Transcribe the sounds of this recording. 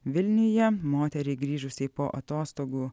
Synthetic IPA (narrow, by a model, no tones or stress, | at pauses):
ʋʲɪlʲnʲʊjɛmoːt̪ʲɛɾʲɛɪɡɾʲiːʒʊsʲɛɪpoːʔɐt̪oːst̪oːɡuː